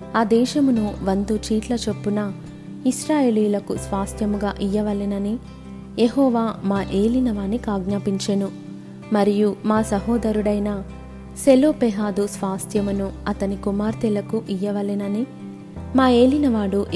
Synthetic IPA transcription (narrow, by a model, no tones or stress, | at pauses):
aːd̪ɛːʃɐmunuʋɐnd̪ut͡ʃiːʈlɐt͡ʃepːunɐ | isɾaːje̞ːliːulɐkusʋaːst̪jɐmuɡaːʔijːɐʋɐlinɐni | jeɦɔːʋaːmaːʔe̞ːlinɐʋaːnːikaːɡnaːpiɲt͡ʃenu | mɐɾijumaːsɐɦɔːd̪ɐɾuɽɐjnɐ | seloːpɛɦaːd̪usʋaːst̪ʰjɐmunuɐt̪ɐnikumaːɾt̪elɐkuʔijɐʋɐlinɐni | maːe̞ːlinɐʋaːɽuʔ